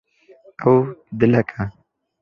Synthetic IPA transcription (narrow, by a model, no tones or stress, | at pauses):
awd̪ɪlakʰa